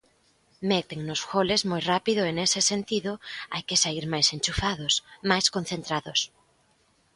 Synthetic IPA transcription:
met̪eŋnʊsxolezmojrapiðʊenesesent̪iðʊajkesaiɾmajsenʲt͡ʃufaðosmajskon̟θent̪ɾaðos

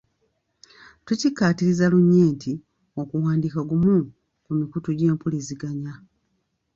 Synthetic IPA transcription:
tucikːaːtiɾizaluɲːeːntʰi | okuwaːndikaɡumu | kumikutuɟe̞ːmpuliziɡaɲa

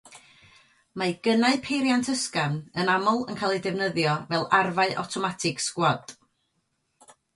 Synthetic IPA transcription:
maɡ̥ənaɨpʰejɾjantʰəskanənamɔlˠənkʰalˠidɛvnəðjɔvɛlˠarvaɨʔa̰wtʰɔmatʰɪɡ̥skwɔd̥

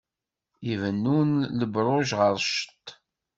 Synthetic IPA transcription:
ivənːunləbɾˤoʒʁəɾˤʃə̥t̪ː

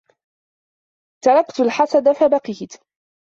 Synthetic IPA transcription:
t̪ɑɾˤɑkt̪alħasad̪afabaqiːt̪

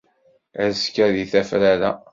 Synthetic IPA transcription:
æskːæðiθæfɾæɾæ̰

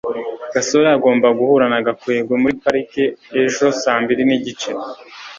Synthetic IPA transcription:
ɡ̥aso̞ɾeaɡo̞ːmbaɡuhuɾanaɡakueːɡwemuɾipaɾikeeʒo̞saːmbiɾiniɟit͡ʃe

